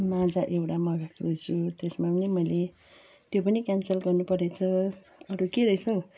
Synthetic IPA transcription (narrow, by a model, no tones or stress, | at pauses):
mãd͡zaʔewʈamʌɡakʰrujsʰut̪esmapʌnimʌjle | t̪jopʌnikjansʌlɡʌrnupʌɾet͡sʰʌ | ʌɾukeɾʌit͡sʰʌw